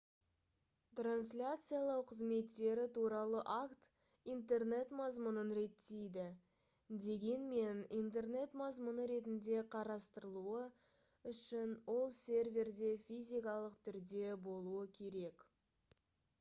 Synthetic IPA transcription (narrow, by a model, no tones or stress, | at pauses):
t̪ranslʲat̪sɨjalˠɑwqʰəzme̞t̪ːe̞ɾɪt̪ʰuɾɑlˠəʔakt̪ | ijnt̪e̞rne̞t̪mɑzmʊnənɾe̞t̪ːejd̪ɪ | d̪e̞ɡʲe̞nme̞nijnt̪̬e̞rne̞t̪mɑzmʊnəɾe̞t̪ɪnd̪e̞qʰɑɾɑst̪əɾəlˠuə | ʏʃɪnwo̞lˠsʲe̞rvʲe̞rd̪e̞fʲijzʲijkɑlˠəqt̪ʰʏɾd̪e̞bo̞lˠuəkʲʰe̞ɾe̞k